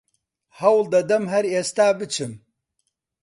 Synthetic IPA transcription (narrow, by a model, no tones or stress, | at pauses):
hɐwld̪ɐd̪ɐmɦɐɾeːst̪aːbɨt͡ʃʰɨm